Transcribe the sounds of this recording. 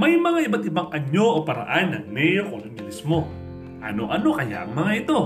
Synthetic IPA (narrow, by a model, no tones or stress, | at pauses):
mɐjmɐŋaʔɪbat̪̚ɪbaŋʔɐɲo̞ʔopɐɾɐ̰ʔanːɐŋmɛjokoŋɐbɪlɪsmo̞ | ʔɐ̰no̞̰ʔɐno̞kɐja̰ʔɐŋmɐŋaʔɪt̪o̞